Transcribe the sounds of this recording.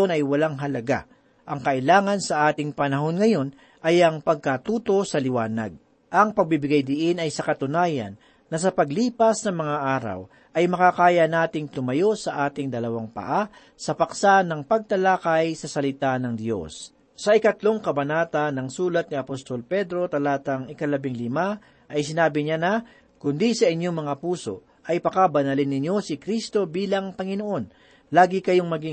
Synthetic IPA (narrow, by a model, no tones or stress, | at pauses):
onɐjwɐlaŋɦɐlɐɡa̰ | ʔɐŋkɐʔɪlaːŋɐnsɐʔaːt̪ɪŋpɐnɐɦo̞nŋɐjo̞n | ʔɐjʔɐŋpɐɡ̚kat̪uːt̪o̞sɐlɪwaːnɐ̰ɡ̚ | ʔɐŋpɐɡ̚bɪbɪɡajd̪ɪʔɪnɐjsɐkɐt̪ʊnaːjɐ̰nː | ɐsɐpɐɡliːpɐsnɐŋmɐŋaʔaːɾɐ̰w | ʔɐjmɐkakaːjɐnaːt̪ɪŋt̪ʊmɐjo̞sɐʔaːt̪ɪŋd̪ɐlɐwaŋpɐ̰ʔa | sɐpɐksanɐŋpɐɡ̚t̪ɐlaːkɐjsɐsɐlɪt̪anɐŋd̪jo̞̰sː | ɐʔɪkɐt̪lo̞ŋkɐbɐnaːt̪ɐnɐŋsuːlɐt̪̚niɐpost̪olpɛd̪ɾo̞t̪ɐlaːt̪ɐŋɪkɐlɐbɪŋlɪma | ʔɐjsɪnaːbɪɲanɐ | kʊnd̪isɐʔɪɲjo̞ŋmɐŋapuːso̞̰ | ʔɐjpɐkabɐnɐlɪnːɪɲjo̞sɪkɾist̪o̞biːlɐŋpɐŋɪno̞ʔo̞n | laːɡɪkɐjo̞ŋmɐɡi